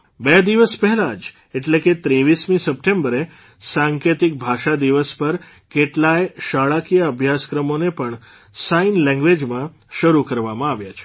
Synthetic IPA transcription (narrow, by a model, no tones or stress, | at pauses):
bɛd̪iʋəspɛɦɛlad͡ʒ | eʈleket̪ɾeʋismĩsəp̚ʈẽmbəɾe | saŋkjet̪ik̚bʱaʃad̪iʋəspəɾ | keʈlajeʃaɭakijaəbʱjaskɾəmonepəɳ | sainlɛ̃ŋɡʋed͡ʒmã | ʃəɾukəɾʋamãaʋjat͡ʃʰe̥